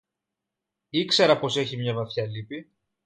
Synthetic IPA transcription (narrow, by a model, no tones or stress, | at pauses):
ikse̞ɾɐpo̞se̞çimɲɐvɐθçɐlipi